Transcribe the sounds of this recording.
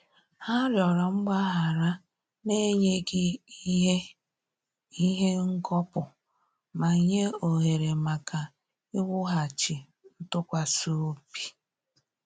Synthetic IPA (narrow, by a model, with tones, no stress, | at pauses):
ha˦ɾjɔ˨ɾɔ˨ŋ͡m̩˦ɡ͡ba˦ɦa˨ɾa˦ | me˦ɲe˦ɡɪ˦ | i˦ɦe˦ŋ̩˦kɔ˦pʊ˨ | ma˨ɲe˦o˨ɦe˨ɾe˨ma˨ka˨ | ɪ˦wʊ˦ɦa˨t͡ʃɪ˨ | n̩˦tʊ˦kʷa˨su˦pi̥˨